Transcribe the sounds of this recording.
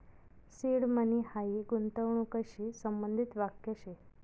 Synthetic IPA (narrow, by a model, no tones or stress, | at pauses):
siɽmənihaiɡunt̪əʋɳũkəɕiːsəmbənd̪ʱit̪ʋakjəɕe